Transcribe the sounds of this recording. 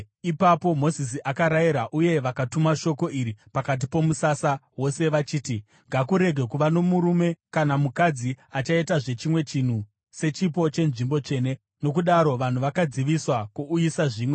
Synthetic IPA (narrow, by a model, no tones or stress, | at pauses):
ipapo̞mo̞zis̬iʔakaɾajiɾaʔuje̞ʋakatumaʃo̞ko̞iɾipakat̬ipo̞musasawo̞se̞ʋat͡ʃiːti | ŋɡakuɾe̞ɡʱe̞kuʋano̞muɾume̞kanamukad͡ziat͡ʃaitaʐe̞t͡ʃimwe̞t͡ʃin̤u | se̞t͡ʃip̬o̞t͡ʃe̞nʐimbo̞t͡ʃe̞ne̞ | no̞kuɗaɾo̞ʋan̤uʋakad͡ziʋiswakuujisaʐiːmwe̞